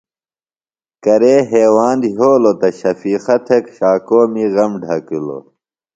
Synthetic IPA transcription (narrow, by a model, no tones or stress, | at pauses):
kɐɾeːɦeːwaːnd̪ɦoːlot̪ɐɕɐfiːxɐt̪ʰekɕaːkoːmiɣɐmɖʱɐkulo̰